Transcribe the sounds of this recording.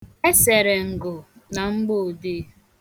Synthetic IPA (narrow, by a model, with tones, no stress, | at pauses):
e˦se˨ɾe˨ŋ̩˨ɡʊ˨na˨ŋ͡m̩˦ɡ͡bo˦˨de˦